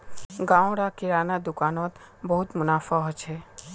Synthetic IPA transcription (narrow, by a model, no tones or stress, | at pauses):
ɡãw̃ɽakɪɾanad̪ʊkaːnɔt̪ | bəɦut̪mʊnaːfaɦt͡ʃʰe